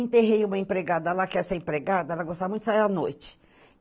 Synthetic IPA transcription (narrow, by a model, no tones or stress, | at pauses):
ẽt̪eɦejũmɐẽpɾeɡad̪ɐɛlakɛseẽpɾeɡad̪ɐɛlɐɡost̪avɐmũt̪ʊsaianojt͡ʃɪ̥